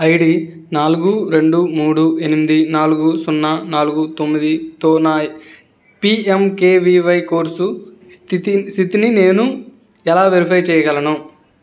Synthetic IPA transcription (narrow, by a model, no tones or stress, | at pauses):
ɐjɽi | naːluɡuɾe̞ɳɖumuːɽuʔe̞nimid̪inaːluɡusunːɐnaːluɡut̪omːid̪it̪oːnaː | piemkeːʋiːʋɐjko̞ːɾsut̪st̪ʰit̪inine̞ːnu | ɛlaːʋeɾipʰɐjt͡ʃɛːjɐɡɐlɐnu